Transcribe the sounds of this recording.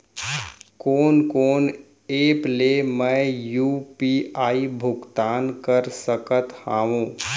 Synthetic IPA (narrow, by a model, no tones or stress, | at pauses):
koːnkoːn | eːplemɛ̃juːpiaːibʱʊɡt̪aːnkəɾsəkət̪hãːʋũː